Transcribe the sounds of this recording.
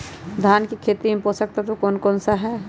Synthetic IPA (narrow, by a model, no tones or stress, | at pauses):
d̪ʱaːnkikʰeːt̪imẽposək̚t̪at̪okoːnkoːnsaɦɛː